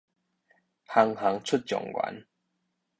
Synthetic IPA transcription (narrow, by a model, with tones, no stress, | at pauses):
ha˨˦ŋha˨˦ŋt͡sʰu˥˦t̚t͡ɕjɔ̰˨˩ŋɡwa̰˨˦n